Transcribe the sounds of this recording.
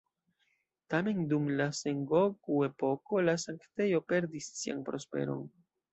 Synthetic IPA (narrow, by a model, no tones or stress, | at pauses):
tame̞ndumlase̞ŋɡoɡue̞po̞ko̞lasaŋkte̞jo̞pe̞ɾdisːia̰npɾo̞spe̞̰ɾo̞̰n